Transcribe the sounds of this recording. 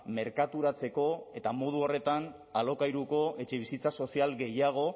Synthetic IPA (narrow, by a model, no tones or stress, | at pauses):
me̞ɾkat̪uɾat͡se̞ko̞e̞t̪amo̞ð̞uo̞re̞t̪an | alo̞kajɾuko̞e̞t͡ʃe̞β̞isit͡saso̞sialɡe̞jaɣ̞o̞